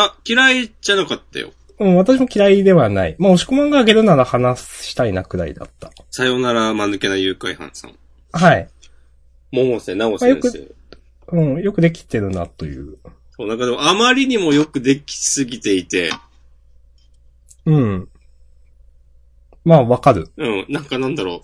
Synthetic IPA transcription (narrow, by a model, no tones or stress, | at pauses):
akʲiɾaiʑanakat̪ːa̰jo̰ | ɯ̟̃ɴβat̪aɕ̬imo̞kʲiɾaid̪e̞βanaḭmaoɕi̥komãŋɡaːɡe̞ɾɯ̟naɾahanasɕi̥t̪ainakɯ̟ɾa̰ḭd̪a̰t̪ːḁsajo̞naɾamanɨke̞najɯːkaihã̰ɰ̃sã̰ŋ | hai | momosenaosajo̞kɯ | ɯ̟̃ɴjo̞kɯ̟d̪e̞k̬ʲi̥t̪ːe̞ɾɯ̟na̰t̪o̞jɯ̟̰ː | soːnãŋkad̪emoamaɾʲiɲ̟imo̞jo̞kɯ̟d̪e̞kʲi̥sɨɡʲit̪e̞it̪e̞ | ɯ̟̃ɴ | maːβakaɾɯ̟ɯ̟̃ɴnãŋkanãnd̪aɾo̞